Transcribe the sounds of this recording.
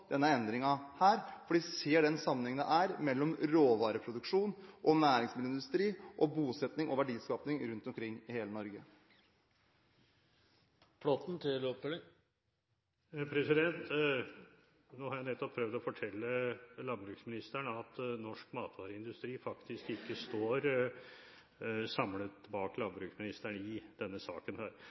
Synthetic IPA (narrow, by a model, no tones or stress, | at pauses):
d̪̥ɛnːəɛnd̪ɾɪŋɑhæːɾfɔɖiːseːɖɛnsɑmːənhɛŋənə̰ʔæːɾmɛlːɔmɾoːʋɑːɾəpʰɾʊd̪ʉkʂuːnʔɔnæːɾɪŋsmɪd̪əɪnd̪ʉst̪ɾiːʔɔbuːsɛt̪nɪŋʔɔʋæɖiːskɑːpnɪŋɾʉnt̪ɔmkʰɾɪŋːɪheːlənɔɾɡə | pɽɔt̪n̩t̪ʰɪlɔp̚t̪ɛlŋ | pʰɾɛsɪd̪ɛnt̪ | noːhɑɾjæɪnɛt̪ːɔpʰɾœʋd̪ɔfɔʈʰɛlːəlɑnbɾʉːksmɪnɪst̪æɳəɑt̪nɔʂkmɑːt̪ʋɑːɾəɪnd̪ʉst̪ɾiːfɑkt̪ɪskɪkːəst̪oːɾ | sɑmlət̪bɑːklɑnbɾʉːksmɪnɪst̪æɳəɪd̪̥ɛnːəsɑ̰ːkənhæːɾ